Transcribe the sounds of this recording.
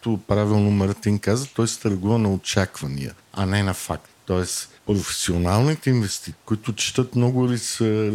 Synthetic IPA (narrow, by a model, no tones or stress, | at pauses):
t̪opɾavilˠnomɐɾt̪inkazət̪ɔjst̪əɾɡuvənɐot͡ʃakvɐnḭjə̰ɐ̰nɛnɐfakt̪ːɔɛs | pɾofɛ̥sionalˠnit̪ɛinvɛst̪ikʊit̪ʊt͡ʃi̥t̪ət̪mnɔɡʊɾisə